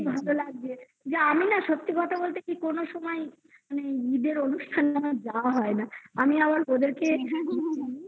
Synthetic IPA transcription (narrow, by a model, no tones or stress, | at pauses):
bʱalolaɡ̚d͡ʑe | d͡ʑeaminaʃot̪ːikɔt̪ʰabolt̪ekikonoʃɔmɔe | maneid̪eɾonuʃʈʰanamad͡ʑawaɦɔenaamiabaɾod̪eɾke